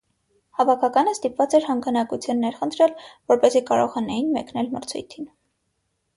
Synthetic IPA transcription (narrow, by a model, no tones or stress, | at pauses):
hɑvɑkʰɑkɑnəst̪ipvɑt͡sɛɾhɑŋɡɑnɑkut͡sʰjunːɛɾχənt̪ʰɾɛlvɔɾpɛzikɑɾɔʁɑnɑjinmɛknɛlməɾt͡sʰṵjt̪ʰin